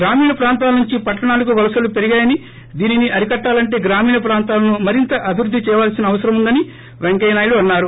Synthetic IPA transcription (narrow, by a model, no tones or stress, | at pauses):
ɡɾaːmiːɳɐpɾaːnt̪aːlɐnuɲt͡ʃipɐʈːɐɳaːlɐk̬uʋɐlɐsɐlupe̞ɾiɡaːjɐni | d̪iːniniʔɐɾikɐʈːaːlɐɳʈ̬e̞ːɡɾaːmiːɳɐpɾaːnt̪aːlɐnumɐɾint̪ɐʔɐbʱiɾud̪ʱːit͡ʃɛːjʋaːlsinɐːʋɐsɐɾɐmund̪ɐni | ʋeŋkɐjnaːjuɽuɐnːaːɾu